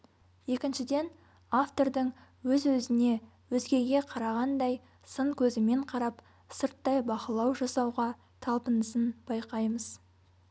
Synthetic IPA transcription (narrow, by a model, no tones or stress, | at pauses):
je̞kʲɪnʃɪd̪e̞n | aft̪o̞ɾd̪əɴ | wɵzwɵzɪne̞ | wɵzɡʲe̞ɡʲe̞qʰɑɾɑʁɑnd̪ɑj | səɴkʲʰɵzɪme̞ɴqʰɑɾɑp | səɾt̪ːɑjbɑqəlˠɑwʒɑsɑwʁɑ | t̪ʰɑlˠpənəsənbɑjqɑjməz̥